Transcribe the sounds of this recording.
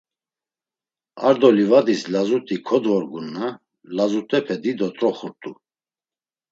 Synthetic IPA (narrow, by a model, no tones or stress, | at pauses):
a̰ɾd̪ɔlivad̪islazut̪ʼikʰɔd̪vɔɾɡunːa | lazut̪ʼɛpʰɛd̪id̪ɔt̪ʼɾɔχuɾt̪ʼu